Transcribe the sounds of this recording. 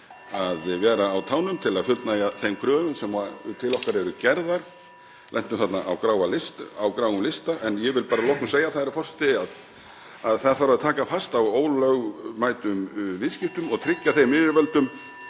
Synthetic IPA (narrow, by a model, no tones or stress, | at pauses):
aðvɛːɾaːwt̪ʰaːwnʏmt̪ʰɪlaðfʏlt̪najaθejmkʰɾœːvʏnsɛmvaɾt̪ʰɪlɔhkaɾɛɾʏcɛɾðaɾ̥ | lʔɛn̥t̪ʏmθat̪naʔawkɾaːwalɪst̪awkɾaːwɣʏmlɪst̪aʔɛnjɛvɪlpaːɾalɔhk̪ʏmseːjaθaðɾafɔr̥st̪ɪað | aðθaðθaɾaðt̪ʰaːkafast̪awoːwlœɣmaːjt̪ʏmvɪðscɪft̪ʏmɔɣt̪ʰɾɪcːaθejmɪːvɪvœlt̪ʏm